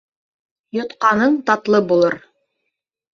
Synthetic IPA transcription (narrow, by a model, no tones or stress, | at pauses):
jŏt̪qɑnɤɴt̪ɑt̪lˠɤbulˠɤɾ